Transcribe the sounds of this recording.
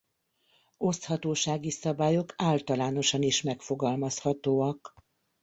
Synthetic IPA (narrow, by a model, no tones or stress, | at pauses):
o̞st̪hɒt̪oːʃaːɡisɒbaːjo̞kaːlt̪ɒlaːno̞ʃɒniʃmɛkfo̞ɡɒlmɒshɒt̪oːɒk